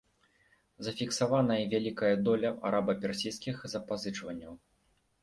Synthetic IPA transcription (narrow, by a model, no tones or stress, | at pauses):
zɐfʲiksavanɐjɐvʲalʲikɐjɐd̪ɔlʲɐʔa̰ɾʔabɐpʲɛrsʲijskʲixzɐpazɨt͡ʂvɐnʲːɐw